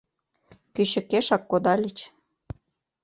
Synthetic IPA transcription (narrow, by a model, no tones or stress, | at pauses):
kyɕə̆keʃɑkːod̪ɑlʲit͡ɕ